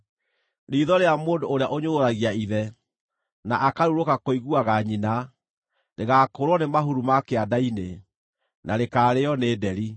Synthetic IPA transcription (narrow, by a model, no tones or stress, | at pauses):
ɾiːðɔɾeamoːndoːɾeaʔoɲooɾaɣiaiðɛ | naʔakaɾuɾokakoiɣuaɣaɲina | neɣaːkoɾwɔnemaɦuɾumakeadaine | naɾekaːɾeɔneːdɛɾi